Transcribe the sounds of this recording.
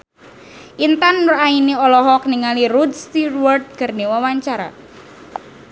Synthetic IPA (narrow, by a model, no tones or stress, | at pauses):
ʔint̪anːurainiɔlɔɦɔk̚niŋaliɾud̪st̪irwɔrd̪̚kərniwawaɲt͡ʃaɾa̰